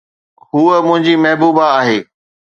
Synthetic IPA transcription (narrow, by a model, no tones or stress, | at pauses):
ɦuːəmʊ̃ɦɪ̃ɲd͡ʑimɐɦbuːbaːɦeː